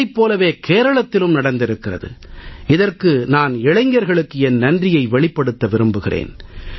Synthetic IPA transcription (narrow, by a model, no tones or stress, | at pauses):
ɪpːoːlɐʋeːkʰeːɾɐɭɐt̪ːɪlɯmnɐɽɐnd̪ɪɾɯkːɪrɐ̰ðɯ̰ɪðɐrkɯnaːnɪɻɐɪŋɡɐɾɣɐɭɯkːɯɛnːɐndrɪjɐɪʋɛɭɪpːɐɽɯt̪ːɐʋɪɾɯmbɯɣɪrʔḛːn